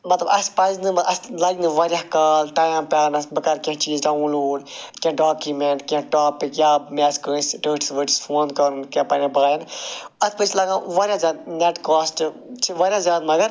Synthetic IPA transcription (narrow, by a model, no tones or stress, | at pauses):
mɐt̪lɐbɐspɐznɨmʔɐslɐɡinɨʋɐɾʲjaːkɐːlʈaːjmpʲaːnɐsbɐkɐɾkʲãɦt͡ʃiːzɖaːnloːɖkʲãːɖaːkjumeɳʈkʲãʈaːpikjaːmeːskəsʈəːʈi̥sʋəʈi̥sfoːnkɐɾũnkjãːpɐɾãbaːanɐspət͡ʃʰlɐɡãːʋɐɾʲjãːzjaːd̪̚neʈkaːsʈt͡ʃʰiʋɐɾʲjãːzjaːd̪mɐɡɐɾ